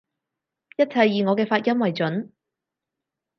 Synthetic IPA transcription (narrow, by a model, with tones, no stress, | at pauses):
jɐ˥t̚t͡sʰɐ˨jːiː˨ŋɔː˨˧kɛː˧faː˧t̚jɐ˥mwɐ˨jt͡sɵ˨˥n